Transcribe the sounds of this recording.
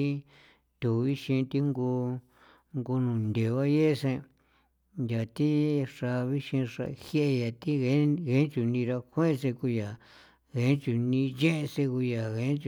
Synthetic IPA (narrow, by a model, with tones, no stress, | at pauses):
i˦ | t̪u˨βi˦ʃĩ˧t̪i˦ŋɡu˧ | ŋɡo˧nũ˨nd̪e˨βa˦je˦˧sẽ˧ | ja˨t̪i˦ʂa˧βi˦ʃĩ˧ʂa̰˧hje˦ʔe˧ja˨t̪i˦ɣe˧˦ɣe˦t͡ʃu˨nĩ˧ɾa˧kʷẽ˦˧s̬e˧ku˧ja˨ | ɣe˨˦t͡ʃu˨nĩ˧ʒẽ˦ʔe˧se˧ku˧ja˨ɣẽ˨˧˦t͡ʃ